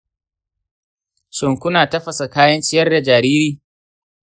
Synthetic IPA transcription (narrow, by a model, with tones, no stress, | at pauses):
ʃɪ˨ŋkʷʊ˦naː˨tɐ˦ɸɐ˨sa˨kaː˦jɐ˦nt͡ʃɪ˦jɐ˦rda˨d͡ʒaː˨ɾiː˦ɾiː˦˨